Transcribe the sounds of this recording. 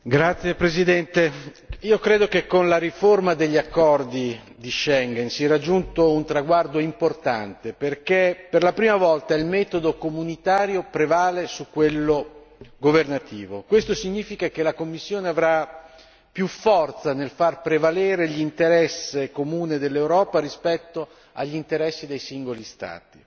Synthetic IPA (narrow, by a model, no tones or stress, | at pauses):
ɡɾat̪sjepɾezid̪ɛnt̪e | iːokɾeːd̪okekːonlaɾiformad̪eʎːiakːɔrd̪i | d̪iʃɛŋɡɛnsiɛɾad͡ʒːunt̪ount̪ɾaɡward̪oimport̪a̰nt̪eperkeperlapɾiːmavɔlt̪ailmɛːt̪od̪okomunit̪aːɾjopɾevaːlesukːwelːo | ɡovernat̪iːvokwest̪osiɲːiːfikak̟elakomːisːjoːneavɾa | pjufːɔrt̪sanelfarpɾevaleːɾeʎint̪eɾɛsːekomuːned̪elːewɾɔːpaɾispɛt̪ːo | a̰ʎːint̪eɾɛsːid̪ejsiŋɡolist̪a̰ːt̪i